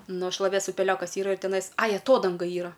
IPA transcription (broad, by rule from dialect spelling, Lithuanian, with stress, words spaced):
ˈnʊ ʃlˠɐˈʋʲeːs ʊpʲɛˈlʲoːkɐs ˈiːrɐ ɪr tʲɛˈnɐɪs ˈɐɪ ɐˈtoːdɐŋɡɐ ˈiːrɐ